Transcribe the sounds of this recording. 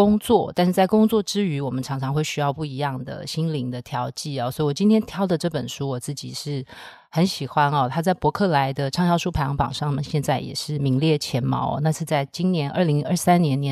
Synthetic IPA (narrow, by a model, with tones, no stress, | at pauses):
kʊ˥ŋt͡swɔ˥˩t̪a˥˧nʂɻ̩˥˧t͡sa˥˩ɪkʊ˥ŋt͡swɔ˥˩ʈ͡ʂɻ̩˥y˧˥wɔ˨˩mə˦nʈ͡ʂʰɑ˧˥ŋʈ͡ʂʰɑ˧ŋxwe˥˩ɪɕy˥jɑ˥˧ʊpu˥˩i˧˥jɑ˥˩ŋd̪ə̰˩ɕi˥nli˧˥ŋd̪ə˨t̪ʰjɑ˧˥ʊt͡ɕi˥˩ɔ˨˩swɔ˧˥i˨˩wɔ˨˩t͡ɕi˥nt̪ʰjɛ˥nt̪ʰjɑ˥ʊd̪ə˨ʈ͡ʂɤ˥˩pə˨˩nʂu˥wɔ˨˩t͡sɹ̩˥˩t͡ɕḭ˨˩ʂɻ̩˥˩ | xə˧˥nɕi˨˩xwa˦nɔ˨t̪ʰa˥t͡sa˥˩ɪpwɔ˧˥kʰɤ˥˩la˧˥ɪd̪ə˧ʈ͡ʂʰɑ˥˧ŋɕjɑ˥˧ʊʂu˥pʰa˨˥ɪjɑ˧˥ŋpɑ̰˨˩ŋʂɑ˥˩ŋmə˨nɕjɛ˥˧nt͡sa˥˩ɪjɛ̰˨˩ʂɻ̩˥˩mi˧˥ŋljɛ˥˩t͡ɕʰjɛ˧˥nmɑ̰˧˥ʊɔ̰˨˦na˥˧sʰɻ̩˥˧t͡sa˥˩ɪt͡ɕi˥nnjɛ˧˥nʔə˞˥˩li˧˥ŋə˞˥˩sa˥njɛ˧˥njɛ˧˦